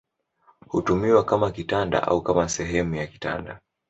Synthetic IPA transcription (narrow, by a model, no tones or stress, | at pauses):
hutumiwakamakitanda̰ʔa̰ukamasɛɦɛmujaki̥ta̰nda